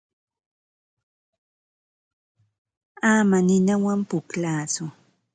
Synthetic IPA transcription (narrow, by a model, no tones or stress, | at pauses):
amanɪnawampʊklaːt͡sʊ